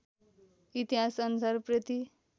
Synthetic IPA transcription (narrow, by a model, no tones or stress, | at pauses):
it̪iɦasʌnusaɾpɾʌt̪i